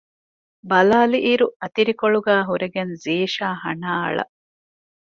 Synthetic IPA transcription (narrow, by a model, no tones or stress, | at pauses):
bɐlaːliʔiɾuɐt̪iɾikoɭuɡæːɦuɾeɡenziːʃaːhɐnaːɐ̰ɭɐ̰